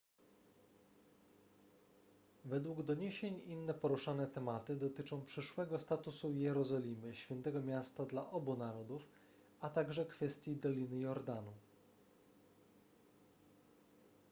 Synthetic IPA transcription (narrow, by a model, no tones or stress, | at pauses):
vɛd̪wuɡd̪ɔɲeɕeɲinːɛpɔɾuʂanɛt̪ɛmat̪ɘd̪ɔt̪ɘt͡ʂɔ̃w̃pʂɘʂwɛɡɔst̪at̪usujɛɾɔzɔlʲimɘɕfʲjɛnt̪ɛɡɔmʲjast̪ad̪laʔɔbunaɾɔd̪uf | at̪aɡʐɛkfɛst̪ʲjid̪ɔlʲinɘjɔɾd̪anu